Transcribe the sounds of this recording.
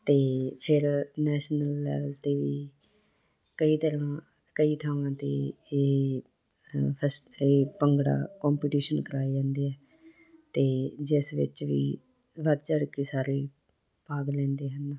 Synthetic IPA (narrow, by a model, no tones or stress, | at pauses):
t̪eːpʰɪɾnɛːʃnəlːɛ̰ːʋəlt̪eːʋiː | kəiːt̪əɾãː | kəiːt̪ʰəʋãːt̪ḛː | pʰəseːpəŋɡɽa̰ːkɔːmpiːʈiːʃənkəɾaːid͡ʒãːnd̪iːɛː | t̪eːd͡ʒɪsʋɪ̰t͡ʃʋḭː | ʋəd̪t͡ʃəɽkeːsaːɾeː | paːɡlɛ̃ːnd̪eːɦən